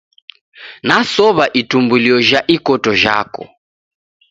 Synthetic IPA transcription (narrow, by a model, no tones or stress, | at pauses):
nasɔβaʔitumbuliɔʒaʔikɔtɔʒa̰kɔ̰